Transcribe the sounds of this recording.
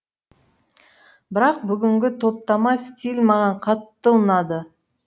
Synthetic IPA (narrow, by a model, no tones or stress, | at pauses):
bɪɾɑq̚bʏɡʲɪŋɡʲɪt̪ʰo̞p̚t̪ɑmɑskʲʰelmɑʁɑɴqʰɑt̪ːəənɑd̪ə